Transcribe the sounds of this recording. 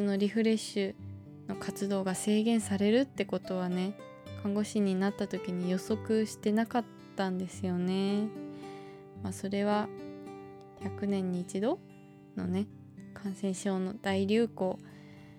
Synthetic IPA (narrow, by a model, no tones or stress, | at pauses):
ɨno̞ɾʲiɸɯ̟ɾe̞ɕːɨ | no̞kat͡sɨd̪o̞ːɡase̞ːɡẽ̞ɰ̃saɾe̞ɾɯ̟t̪ːe̞ko̞t̪o̞β̞ane̞ | kʰãŋɡo̞ɕiɲ̟ːinat̪ːat̪o̞kʲiɲ̟ijo̞so̞kɯ̟ɕi̥t̪e̞nakat̪ːãnd̪e̞sɨjo̞ne̞ | maso̞ɾe̞β̞a | çakɯ̟nẽ̞ɲ̟ːiːt͡ɕid̪o̞ | no̞̰ne̞ | kʰãɰ̃sẽ̞ɰ̃ɕo̞ːno̞d̪̥aiɾʲɨːko̞ː